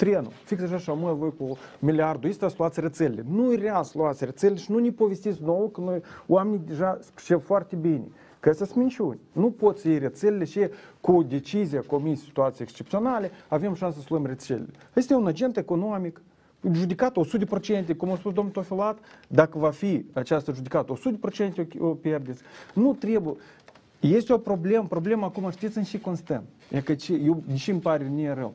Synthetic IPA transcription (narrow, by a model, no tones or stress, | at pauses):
t̪ɾʲenṵfiksaʒaʃamujavojkumʲilʲiard̪ʊjesʲt̪ʲaslˠuat̪səɾʲet̪selʲlʲenujrʲeaslˠoat̪səɾʲet̪selʲːeʃinunʲipovʲesʲt̪it̪sʲnowəkənojwamʲenʲid̪ʲeʐaspʃevfoart̪ʲebʲinʲḛ | kəsəsʲmʲinʲt͡ʃʲunʲnupot̪səjejɾʲet̪selʲɪlʲeʃekud̪ʲet͡ʃizʲijakomʲisʲi̥t̪uat̪ʲiejekst͡ʃep̪̚sʲonalʲeavʲamʃansəsəlˠuemrʲeselʲɪ̰lʲeajesʲt̪ʲunad͡ʒent̪ekonomʲik | ʒud̪ʲikat̪osud̪ʲpɾot͡ʃent̪ʲekumowspusd̪omnt̪ofʲilˠat̪d̪akəvafʲiat͡ʃast̪əʒud̪ʲikat̪osud̪ʲpɾot͡ʃent̪ʲeopʲerd̪ʲet̪sʲnut̪ɾʲebujə | jesʲt̪ʲopɾoblʲempɾoblʲemakumaft̪ʲesɨnʃikonst̪ant̪ | jakət͡ʃejewnʲiʃimpaɾʲenʲieɾəw